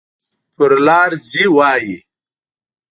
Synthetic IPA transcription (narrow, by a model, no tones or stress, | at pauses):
pʊɾlaːɾd͡ziwaːji